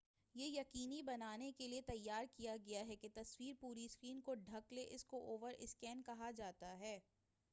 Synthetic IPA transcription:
jejɐqiːnibɐnaːnekeliet̪ɐjːaːɾkijaɡɐjaɦɛket̪ɐswiːɾpuːɾiskɾiːnkoɖʱɐkleʔɪskoʔoːʋəɾʔɪ̰skɛːnkɐɦad͡ʒaːt̪aɦɛː

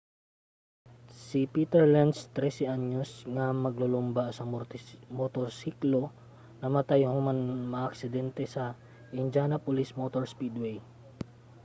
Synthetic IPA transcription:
sipiːt̪ɛɹland̪st̪ɾɛsɛʔaɲosŋɐmɐɡlolʊmbasɐmot̪oɾsiklo | nɐmɐt̪ajhomanmɐɐʔɐksɪd̪ɛnt̪ɛsɐ | ʔɪnd͡ʒanɐpʊlismot̪oɹspid̪wɛj

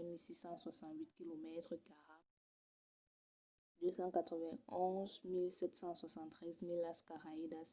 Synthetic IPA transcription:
ɛmilsisɑ̃swasɑ̃t̪wit̪̚kilomɛt̪χəkaʁa | d̪øsɑ̃kat̪χəvɛ̃ɔ̃zmilsɛt̪sɑ̃swasɑ̃nt̪ːχɛzmilaskaʁaid̪as

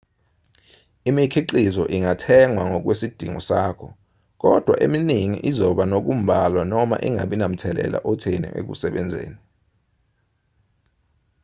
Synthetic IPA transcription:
imikʰiǃizɔʔiŋatʰɛŋwaŋɔk̬wesid̥ʱiŋɔ̰saːkʰɔ | k̬ɔd̥ʱwa̰ʔeminiŋḭʔizɔɓanok̬um̩bʱalwanɔma̰ʔiŋa̰ɓinam̩tʰɛlɛ̰la̰ʔɔtʰenḭʔḛk̬ṵsɛɓɛnd͡zʱḛːni

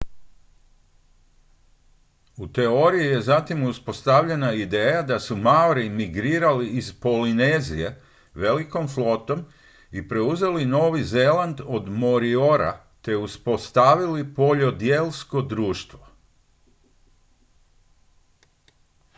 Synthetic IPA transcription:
ut̪e̞o̞ɾijije̞zat̪imuspo̞st̪aʋʎe̞naid̪e̞ːjad̪asumauɾimiɡɾiːɾaliːzpo̞line̞ːzije̞ | ʋe̞liko̞mflˠo̞t̪o̞m | ipɾe̞uze̞lino̞ːʋizeland̪o̞d̪mo̞ɾio̞ɾa̰ | t̪e̞uspo̞st̪aʋilipo̞ʎo̞d̪jeːlsko̞d̪ɾuːʃt̪ʋo̞

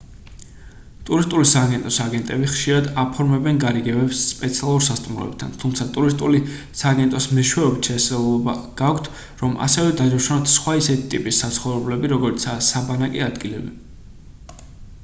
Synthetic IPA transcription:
t̪ʼuɾist̪ʼulisaːɡɛnt̪ʼɔsaɡɛnt̪ʼɛbiχʃiɾad̪apʰɔɾmɛbɛnɡaɾiɡɛbɛbsːpʼɛt̪sʰialˠuɾsast̪ʼumɾɔ̰ɛ̰b̚t̪ʰa̰nt̪ʰumt̪sʰat̪ʼuɾist̪ʼuli | saːɡɛnt̪ʼɔsmɛʃwɛɔbit̪ʰʃɛsɛlˠɔbaɡ̥akʷʰt̪ʰ | ɾɔmʔa̰sɛvɛd̪ad͡ʒaʃanat̪ʰsχwaisɛt̪ʰit̪ʼipʼisːat̪sʰχɔvɾɛblɛbiɾɔɡɔɾit̪sʰasabanakʼɛad̪ɡilɛbi

